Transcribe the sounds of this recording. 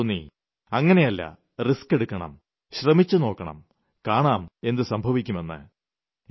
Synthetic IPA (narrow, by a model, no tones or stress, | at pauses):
nːḭ | ɐŋːɐne̞jɐlːɐ̰ | riske̞ɽukːɐɳɐ̰m | ɕrɐmit͡ɕːuno̞ːkːɐɳɐ̰m | kaːɳaːme̞nd̪ɨsɐmbʱɐʋikʲːume̞nːɨ̰